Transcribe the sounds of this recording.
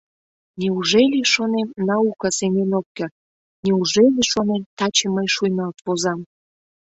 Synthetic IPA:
nʲeuʒelʲiʃonemnɑukɑsenʲenok̚ːĕ | nʲeuʒelʲeʃonemt̪ɑt͡ɕeməjʃujnɑlt̪βozɑm

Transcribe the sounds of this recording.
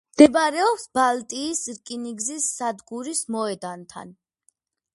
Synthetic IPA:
md̪̥ɛbɾɛɔpsbalt̪ʼiːsɾkʼiniɡzisːad̪ɡuɾismɔɛd̪ant̪ʰa̰n

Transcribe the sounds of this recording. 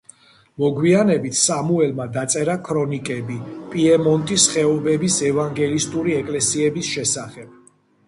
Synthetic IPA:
mɔɡwianɛbit̪ʰsamuɛlmad̪at̪sʼɛɾakʰɾɔnikʼɛbipʼiɛmɔnt̪ʼisχɛɔbɛbisɛvaŋɡɛlist̪ʼuɾiɛkʼlɛsiɛbisʃɛsaχɛb̥̚

